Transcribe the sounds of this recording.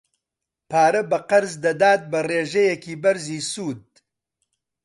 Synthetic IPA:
pʰaːɾɐbɐqɐɾzd̪ɐd̪aːt̪̚bɐreːʒɛjekiːbɐɾziːsuːd̪̚

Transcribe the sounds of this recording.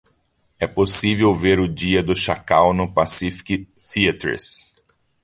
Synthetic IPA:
ɛposivewveɾʊd͡ʒiɐd̪ʊʃakawnʊpasifi̥ki | θiɐt̪ɾɪ̰s

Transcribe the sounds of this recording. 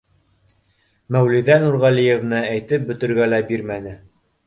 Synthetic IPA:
mæwliðænuɾʁɑlijevnɤæjt̪ɘp̚bɵ̆t̪ɵ̆ɾɡælæbiɾmænɘ

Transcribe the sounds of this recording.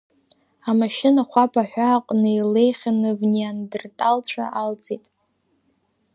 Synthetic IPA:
amaʃɪnaχʷapʰʼaħʷᶣaːqʷʼnɨile̞jχʲanɨvnijandɨrtʼalt͡ɕʷʰa̰ʔalt͡sʰʼitʼ

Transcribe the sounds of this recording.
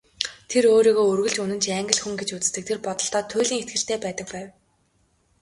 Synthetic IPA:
t̪ʰeɾoːɾiːɣoːɵrɣɘ̆ɮt͡ɕunɘ̆nt͡ɕʰaŋɡʲə̆ɮxuŋɡet͡ɕut͡sɘ̥̆st̪ɘ̆k̚t̪ʰerpɔt̪ɞ̆ɬt̪ɔːt̪ʰʊːɮʲiːŋet̪ɡɘ̆r̥t̪ʰeːpæːt̪ə̆k̚pæːw

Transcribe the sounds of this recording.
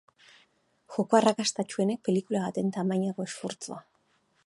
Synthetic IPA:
ʝo̞ko̞arakast̪at͡ʃue̞ne̞k̚pe̞likulaβat̪e̞nt̪amajɲako̞e̞sfuɾt͡sua

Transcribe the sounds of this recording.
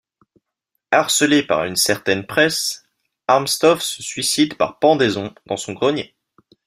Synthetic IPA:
aʁsəlepa̰ʁynsɛʁt̪ɛnpχɛs | aʁmst̪ɔfsəsɥisid̪pa̰ʁpɑ̃d̪ezɔ̃d̪̥ɑ̃sɔ̃ɡʁɔɲje

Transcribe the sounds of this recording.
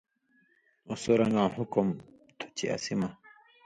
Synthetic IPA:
usoɾɐŋɡãːɦukom | t̪ʰu̥t͡ɕiɐ̰simɐ

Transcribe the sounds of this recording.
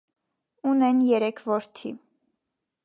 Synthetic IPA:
unɛnjɛɾɛkʰvɔɾt̪ʰḭ

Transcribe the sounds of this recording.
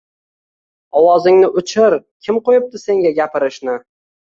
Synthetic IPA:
ɒwɒzɪŋnɪʔʊt͡ʃʰɪɾkʲʰɪmqojɪp̚t̪ɪse̞ŋɡʲaɡʲapɪɾɪʃnɪ

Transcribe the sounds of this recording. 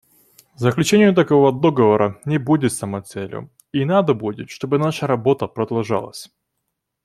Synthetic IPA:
zəklʲʉt͡ɕenʲɪjʊt̪ɐkovəd̪oɡəvəɾənʲɪbudʲɪt̪sɐmɐt̪sɛlʲjʊ̰ | inad̪əbudʲɪt̪ʂt̪o̞bɨnaʂəɾɐbo̞t̪əpɾɐd̪ɐlˠʐa̰lˠə̰sʲ

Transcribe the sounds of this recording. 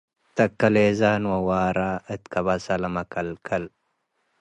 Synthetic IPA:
t̪ʰɐkːɐlezanwɐwaːɾaʔɨt̪kʰɐβasalɐmɐkʰɐlkʰɐl

